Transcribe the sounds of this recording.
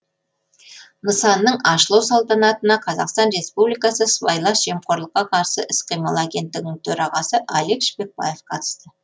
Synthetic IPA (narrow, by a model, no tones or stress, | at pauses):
nəsɑnːəɴɑʃəlˠɑwsɑlˠt̪ɑnɑt̪ənɑqʰɑzɑqst̪ɑnɾe̞spublijkɑsəsvɑjlˠɑsʒ̥e̞mqʰo̞ɾlˠəqːɑqʰɑɾsəʔɪsqijmɑlˠaɡʲe̞nt̪ːɪɡʲɪnɪŋt̪ʰɵɾɑʁɑsəʔɑlˠekʃbek̚bɑ̰je̞fqʰɑt̪ə̥st̪ə